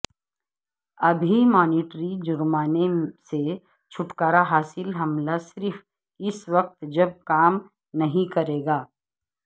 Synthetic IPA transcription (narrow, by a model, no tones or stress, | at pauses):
ɐbʱimɔːniːʈɾid͡ʒʊɾmaːnese | t͡ʃʰʊʈkaːɾaɦaːsɪlɦɐmlasɪɾf | ɪsʋɐq̚t̪d͡ʒɐb̚kaːm | nɐɦĩkɐɾeːɡaː